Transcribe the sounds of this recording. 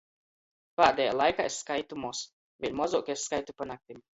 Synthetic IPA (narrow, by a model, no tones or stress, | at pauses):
paːd̪ʲɛja̰ːlˠajkaːesːkajt̪umuɔs | vʲiɲmɔzuɔkʲessːkajt̪upanak̚t̪im